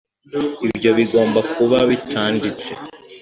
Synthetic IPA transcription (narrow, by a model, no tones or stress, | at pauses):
ibjo̞βiɡo̞ːmbakʰuβaβitʰaːndit͡se̞̰